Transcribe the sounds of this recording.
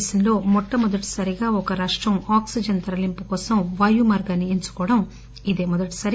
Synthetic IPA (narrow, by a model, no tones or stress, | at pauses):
sɐnlo̞ːmɔʈːɐmɔd̪ɐʈi̥sɐɾiɡaːɔkɐɾaːʂʈɾɐmaːksid͡ʒɐnt̪ɐɾɐlimpukɔːsɐmʋaːjumɐːɾɡaːniiɲt͡ʃu̥kɔːɐɽɐm | id̪e̞ːmɔd̪ɐʈi̥sɐɾi